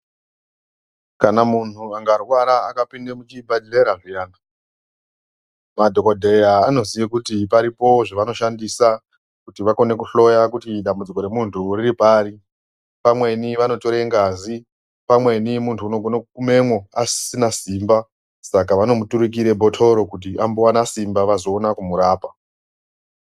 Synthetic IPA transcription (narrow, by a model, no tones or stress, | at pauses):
kanamun̤uaŋɡarwaɾaakapinde̞mut͡ʃibʱadileɾaʐijaːna | madʱo̞kodʱe̞jaːno̞zijekutipaɾipo̞ʐaʋano̞ʃandisa | kutiʋako̞ne̞kuɬo̞jakutiɗambud͡ziko̞ɾe̞muntʰuriɾipaːɾi | pamwe̞niʋano̞to̞ɾeŋɡazi | pamwe̞nimuntʰuːno̞ɡʱonoukume̞mwo̞assinasiːmba | sakaʋano̞mutuɾuk̬iɾe̞bʱo̞tʰo̞ɾo̞kut̬iʔambowanasimbaʋazo̞ːnakumuɾaːpa